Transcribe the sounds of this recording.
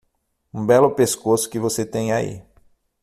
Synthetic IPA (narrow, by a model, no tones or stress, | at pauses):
ũbɛlʊpeskosʊ̥kɪvoset̪ẽj̃aḭ